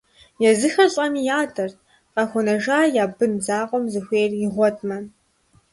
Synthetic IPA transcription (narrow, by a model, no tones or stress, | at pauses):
jɛzɨxɐɕʼɐmijaːtʰɐr | qɐxʷʊnɐʒaːjaːbɨnzaːqʷʼɔmzɨxʷeːjrjɪʁʷɔtʰʼmɐ